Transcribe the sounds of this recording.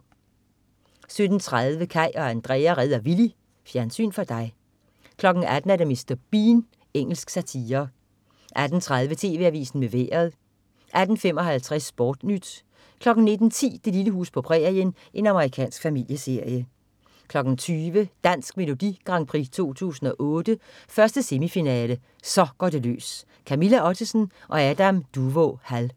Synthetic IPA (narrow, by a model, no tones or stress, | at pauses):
sød̥n̩t͡sʰʁað̞ˠʋəkʰæɪ̰ɒ̽ænd̥ʁɛːæʁɛð̞ˠɐʋili | fjæɐnsy̰ːnfɒ̽d̥ɑ̈ɪ | kʰlɒ̽ɡ̥n̩æd̥n̩æɐdeme̝sd̥ɐb̥iːn | eŋ̰l̩sɡ̥sæt͡sʰiːɐ | ʔæd̥n̩t͡sʰʁað̞ˠʋət͡sʰe̝̰ːʋe̝æʋḭːsn̩meʋḛːɐðˠ | ʔæd̥n̩fem̰ɒ̽ɦælt͡sʰʁɛsb̥ɒːd̥nyd̥ | kʰlɒ̽ɡ̥n̩ne̝d̥n̩t͡sʰḭːd̥e̝liləɦṵːspʰɒ̽pʰʁɛ̰ɐjən | ʔe̝nɑ̈məʁikʰɛ̰ːnsɡ̥fæmil̰jəse̝ɐ̰jə | kʰlɒ̽ɡ̥n̩t͡sʰyːʋəd̥æn̰sɡ̥me̝lo̝d̥iɡ̥ʁɑ̈ŋpʰʁḭt͡sʰo̝̰ːt͡sʰṵːsn̩ɒ̽ʔɔ̽ːd̥əfɶɐsd̥əse̝mifinɛːlə | sɒ̽ɡ̥ɒːd̥e̝lø̰ːs | kʰæmilæɒ̽t͡sʰisn̩ʔɒ̽æd̥æmd̥uʋohæl